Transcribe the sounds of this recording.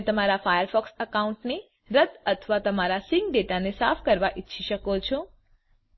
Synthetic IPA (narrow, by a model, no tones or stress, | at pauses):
t̪əmaɾapʰajəɾpʰɔksəkauɳʈne | ɾət̪ət̪ʰʋat̪əmaɾasiŋɡ̚ɖeʈanesapʰkəɾʋaʔit̪ːʃʰiʃəkot͡ʃʰu